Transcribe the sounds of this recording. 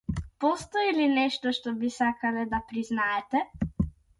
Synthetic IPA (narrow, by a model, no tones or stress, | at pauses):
pɔst̪ɔilinɛʃt̪ɔʃt̪ɔbisakalɛd̪apɾiznaɛt̪ɛ